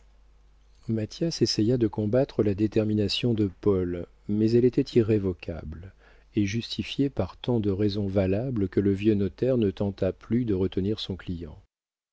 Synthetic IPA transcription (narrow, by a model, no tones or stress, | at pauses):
mat̪jasesɛjad̪əkɔ̃bat̪χəlad̪et̪ɛʁminasjɔ̃d̪əpɔl | mɛzɛlet̪ɛt̪ʰiʁːevɔkʰa̰bl | eʒyst̪ʰifjepaʁt̪ɑ̃d̪əʁɛzɔ̃valabləkələvjønɔt̪ɛʁnət̪ɑ̃t̪aplyd̪əʁət̪əniʁsɔ̃klijɑ̃